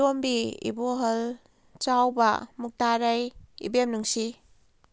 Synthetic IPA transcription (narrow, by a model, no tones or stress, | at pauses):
ombiḭboɦəl | t͡ʃawbɐ̰muk̚taɾajḭbemnuŋsi